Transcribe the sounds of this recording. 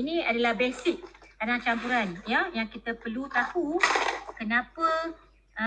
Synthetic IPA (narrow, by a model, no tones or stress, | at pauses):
inĩadalahbesɪk̚dadaŋt͡ʃampuɾanjajaŋkit̪əpərlut̪akukənapə